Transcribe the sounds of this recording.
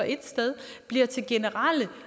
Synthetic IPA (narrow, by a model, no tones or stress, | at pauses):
ɒ̽ʔe̝d̥sd̥eð̞ˠ | b̥liɐt͡sʰe̝lɡ̥e̝nəʁɑlə